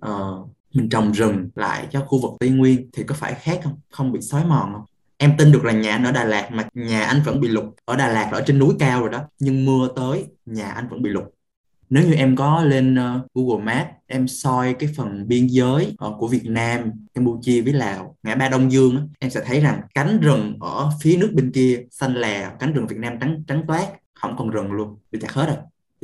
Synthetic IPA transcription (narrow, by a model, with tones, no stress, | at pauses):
ʔəː˨˩ | mï˨˩ŋ̟t͡ɕə˨˩wŋ͡mzɨ˨˩ŋla̰ː˧˨jt͡ɕɔ˧˩xu˧vɨ˨˩k̚t̪i˧ŋwi˧ənt̪ʰi˨˩kɔ˨˦faː˧˩jxaː˦˥k̚ʔə˧wŋ͡mxə˧wŋ͡mɓḭ˧˨sɔ˨˦jmɔ̰˧˨˩nʔə˧wŋ͡m | ʔɛ˧mt̪i˧nɗɨ˨˩ək̚laː˨˩ɲaː˨˩ʔa˧nʔəː˧˩ɗaː˨˩laː˨˩k̚maː˨˩ɲaː˨˩ʔa˧jŋ̟və̰˧˩nɓḭ˧˨lʊ˨˩k͡p̚ʔəː˧˩ɗaː˨˩laː˨˩k̚ʔəː˧˩t͡ɕe˧nːu˨˦jkaː˧wzo˨˩jɗɔ˨˦ɲɨ˧ŋmɨ˧ət̪əː˨˦jɲaː˨˩ʔa˧jŋ̟və̰˧˥nɓḭ˧˨lʊ˨˩k͡p̚ | ne˨˦wɲɨ˧ʔɛ˧mkɔ˨˦le˧nəː˧ku˧˩ɣo˨˩maː˦˥p̚ʔɛ˧msɔ˧jkaː˨˦jfə˨˩nɓi˧ənzəː˨˦jʔə˨˧˩ku˧˩vi˨˩ət̚naː˧mkaː˧mpu˧t͡ɕi˧vəː˨˦jlaː˨˩wŋaː˨˩ɓaː˧ɗə˧wŋ͡mzɨ˧əŋʔaː˨˦ʔɛ˧msɛ̰˧˥t̪ʰə˨˦jza˨˩ŋka˨˦jŋ̟zə˨˩ŋʔəː˧˩fi˨˦ənɨ˦˥ək̚ɓï˧ŋ̟ki˧əsa˧jŋ̟laː˨˩ka˨˦ŋ̟zə˨˩ŋvi˨˩t̚naː˧mt͡ɕa˨˦ŋt͡ɕa˨˦ŋ̟t̪waː˦˥k̚ | hə̰˧˩wŋ͡mkɔ˨˩nzə˨˩ŋlu˧ənḭ˧˨˩t̪a̰ː˨˩he˦˥t̚ɗə˧˩